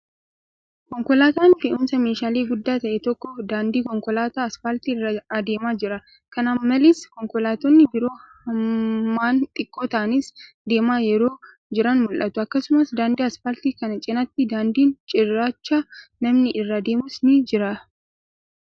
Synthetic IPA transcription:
kɔŋkɔlaːt̪aːnfɪʔʊmsɐmeːʃaːleːɡʊd̪ːaːt̪ɐʔɛt̪ɔkːɔd̪aːnd̪iːkɔŋkɔlaːt̪aːɐsfaːlt̪iɪrːɐɐd̪e̞ːmaːd͡ʒɪɾɐ | kɐnɐmːɐlɪskɔŋkɔlaːt̪ɔnːɪbɪɾo̞ːhɐmːaːnt̪ʼɪkʼːoːt̪ɐʔɐnɪs | d̪e̞ːmaːjɛɾo̞ː | d͡ʒɪɾɐnmʊlʔɐt̪ʊɐkːɐsʊmɐsd̪aːnd̪iːɐsfaːlt̪ikɐnɐt͡ʃʼɪnɐt̪ːɪd̪aːnd̪iːnt͡ʃʼɪrːaːt͡ʃːaːnɐmnɪʔɪrːɐd̪eːmʊsnɪd͡ʒɪɾɐ

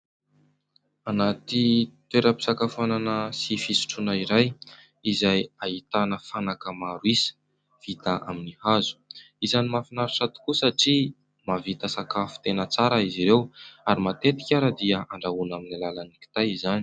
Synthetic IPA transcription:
anat̪it̪weɾəpi̥sakafananəsifisu̥ʈ͡ʂunaiɾaj | izajait̪anəfanakəmaɾuisə̥ | v̥it̪aʔa̰minihazu̥ | izanimafinaɾisat̪u̥kusaʈ͡ʂi | mavit̪əsakafu̥t̪enət͡saɾaiziɾewaɾimat̪et̪i̥kʲaɾəd̪iəaɳɖ͡ʐaunaminilalaniki̥t̪ajizani̥

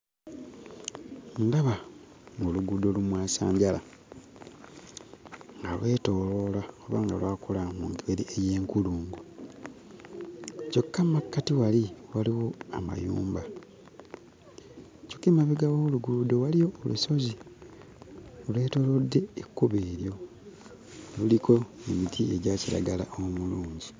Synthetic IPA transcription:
ndaβa | ŋɡoluɡudolumwaːsa̰ːɲɟala | ŋɡalwe̞ːto̞lolaoβaːŋɡalwaːkulamuŋɡiβeɾiʔeje̞ːŋkuluːŋɡo | co̞kːamakːatiwaliwaliwo̞a̰ma̰jṵːmba | cokimaβiɡawoluɡuludowalijo̞ːlṵso̞zi | olwe̞ːto̞ːlodːe̞ekːuβeːɾjo̞ | lulikʰo̞emitʰieɟaciɾa̰ɡala̰ʔomuluːɲɟi

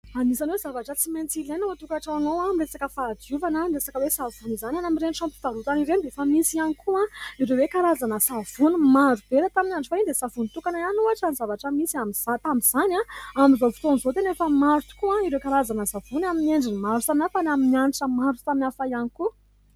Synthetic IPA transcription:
anisanwewzavaʈ͡ʂət͡siment͡silenat̪ukaʈ͡ʂaanowamiresakəfaːd̪uvanənresakəwesav̥unizananamiɾenʈ͡ʂampi̥t̪aɾut̪aniɾend̪efəmisianikʰuãiɾewekaɾazanəsav̥unimaɾub̥eɾət̪aminanʈ͡ʂufaind̪esavunit̪ukananuaʈ͡ʂanizavaʈ͡ʂəmisiamiz̥at̪amiz̥anʲãamizofi̥t̪onizot̪enefəmaɾut̪u̥kuãiɾewkaɾazanəsav̥unamineɳɖ͡ʐinimaɾut̪aminafanaminianiʈ͡ʂəmaɾut̪aminafajaniku

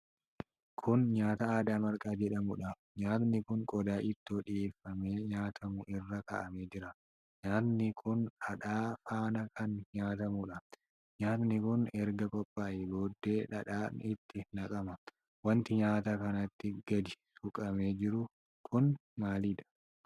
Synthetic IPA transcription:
kʰʊnɲaːt̪ɐaːd̪aːmɐɾkʼaːd͡ʒɛᶑɐmʊᶑɐ | ɲaːt̪nɪkʊŋkʼɔd̪aːʔɪt̪ːɔᶑɪjeːfːɐmeːɲaːt̪ʰɐmʊʔɪrːɐkɐ̰ʔɐme̞ːd͡ʒɪɾɐ | ɲaːt̪nɪkʰʊnɐᶑaːfaːnɐkʰɐnɲaːt̪ɐmʊᶑɐ | ɲaːt̪nɪkʊnɛɾɡɐkʼɔpʼːaːjɪboːd̪ːe̞ːᶑɐᶑaːɪt̪ːɪnɐkʼɐmɐ | wɐnt̪ɪɲaːt̪ɐkɐnɐt̪ːɪɡ̥ɐd̪ɪsʊkʼɐme̞ːd͡ʒɪɾʊ | kʰʊnmaːliᶑ̪ɐ̥

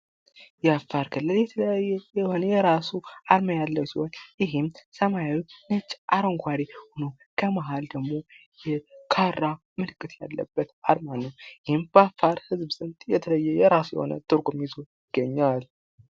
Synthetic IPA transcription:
jɛafːaɾkʰɨlːɨljɛt̪ʰələjajːɛjɛho̞nəjɛɾasuaɾməjalːəwsihonjɪɦɪmsəmajawinət͡ʃʼːʔaɾəŋkʰʷaɾihono | kʰəmaɦald̪əɡmo̞jɛkʰaɾa | mɨlɨkʼɨt̪ja̰lːə̰bːət̪aɾmanəwjɪhɪmb̥əafːaɾhɨzbsʼɨnt̪ʼjɛt̪ʰələjːɛjɛɾasujɛ̰ho̰nə̰t̪ʼɨɾɡʷʼomizojɪɡːəɲːal

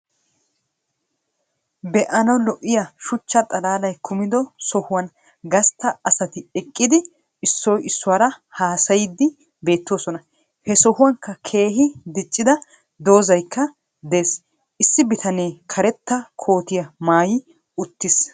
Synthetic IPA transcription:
bɛʔɐnɐwlɔʔːɪjɐʃʊt͡ʃːɐt̪ʼɐlaːlɐjkʰʊmɪd̪ɔsɔhʊwɐn | ɡɐst̪ːɐɐsɐt̪ɪɛkʼːɪd̪ɪ | ɪsːɔjɪsːʊwɐɾɐhaːsɐjɪd̪ːɪ | be̞ːt̪ːɪwoːsɔnɐ | hɛsɔhʊwɐŋkːɐkʰe̞ːɦɪd̪ɪt͡ʃʼːɪd̪ɐ | d̪o̞ːzɐjkːɐ | d̪e̞ːs | ʔɪsːɪbɪt̪ʰɐneːkʰɐɾɛt̪ːɐkʰo̞ːt̪ɪjɐmaːjɪ | ʊt̪ːɪs

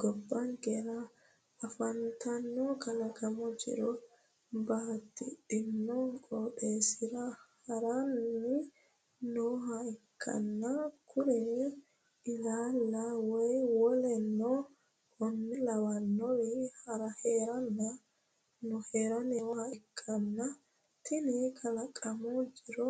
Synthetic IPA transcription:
ɡɔbːaŋɡɛɾaː | fantanːɔkalakamud͡ʒḭɾɔ | baːtiɗinːɔkɔɗɛsiɾahaɾanːi | nɔɦaikʰːa̰nːakʰuɾini | ɪlaːlːɐwɔjwɔlɛnːɔ | hɔnːɛlɐwɐnːɔwɪhɐɾɐheːɾɐnːɐ | nɔheːɾɐnɛhɐɪkʰːɐnːɐ | t̪ɪnɪkʰɐlɐkʼɐmɔd͡ʒɪɾɔ

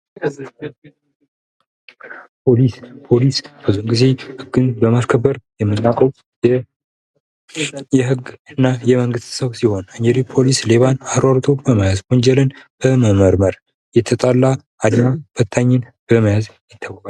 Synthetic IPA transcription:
pʰo̞lispʰo̞lisb̥ɨzunɡize̞hɨɡɨnbəmaskʰəbːəɾjɛmːɨnːakʼəw | jɛɦɨɡɨnːajɛməŋɡɨst̪səβsiho̞naɲd͡ʒɛɾipʰo̞lisle̞βanaɾwaɾt̪ʼo̞bəmajazɡo̞nd͡ʒɛlɨnb̥əməməɾməɾ | jɛt̪ʰət̪ʼalːa | ad̪mabət̪ʰːaɲːɨn | b̥əməjazjɪt̪ʰːawəkʼal

